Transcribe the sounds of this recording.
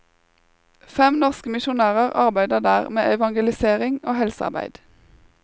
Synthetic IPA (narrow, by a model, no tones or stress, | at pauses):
fɛmnɔʁskəmɪʃʊnæːʁəʁɑʁbæɪd̪əʁd̪æːʁmeːʔɛʋɑŋɡəlɪseːʁɪŋoːhɛlsəɑ̰ʁbæ̰ɪd̪̥